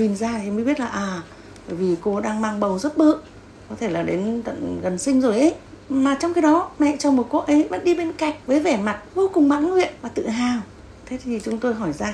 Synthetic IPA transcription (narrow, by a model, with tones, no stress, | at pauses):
ɲi˨˩nzaː˧˨˦məː˨˦ɓi˦˥ət̚laː˨˩ʔaː˨˩ | ɓəː˧˩jvi˨˩ko˧ɗaː˧ŋmaː˧ŋɓə˨˩wzə˦˥t̚ɓə̰ː˧˨ | kɔ˨˦t̪ʰe˧˩laː˨˩ɗe˨˦nt̪ə̰˧˨nɣə˨˩nsï˧ŋ̟zo˨˩jʔə˨˦j | maː˨˩t͡ɕɔ˧wŋ͡mkaː˨˦ɗɔ˨˦mɛ̰˧˨t͡ɕɔ˧˩mo˨˩t̚ko˦˥ʔə˨˦jvə̰˧˥nɗi˧ɓe˧nka̰˧˨jŋ̟̚vəː˨˦jvɛ˧˩ma˨˩t̚vo˧kʊ˨˩ŋ͡mma̰ː˧˥ŋŋwḭ˧˨ənvaː˨˩t̪ɨ̰˧˨ɦaː˨˩w | t̪ʰe˨˦˥t̪ʰi˨˩t͡ɕʊ˨˦ŋ͡mt̪o˧jɦɔ˧˩jzaː˧